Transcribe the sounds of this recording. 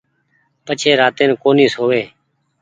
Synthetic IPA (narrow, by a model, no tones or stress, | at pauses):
pət͡ʃʰeːɾaːt̪eːnkoːniːsɦoːʋeː